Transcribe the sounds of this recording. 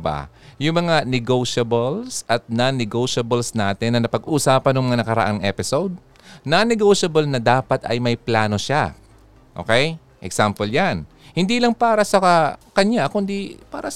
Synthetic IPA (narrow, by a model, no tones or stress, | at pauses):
ba̰ | jʊŋmɐŋanɪɡowʃɐbolsʔɐt̪̚nanɪɡowʃɐbɐlsnaːt̪ɪnːɐnɐpɐɡʔuːsaːpɐnʊŋmɐŋanɐkɐɾɐ̰ʔaŋʔɛːpɪsowd̪̚ | nɐnɛɡowʃɐbɐlnɐd̪aːpɐt̪ɐ̰jmɐjplaːno̞ʃa | ʔo̰kɛj | ʔɛksampoljan | hɪnd̪iːlɐŋpaːɾɐsɐɐkɐɲjakʊnd̪ipaːɾɐ